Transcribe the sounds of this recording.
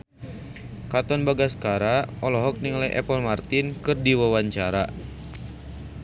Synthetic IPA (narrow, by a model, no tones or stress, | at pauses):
kat̪ɔnbaɡaskaɾaɔlɔɦɔk̚niŋlɛʔɛ̰pəlmart̪ɪnkɨrdiwawaɲt͡ʃaɾa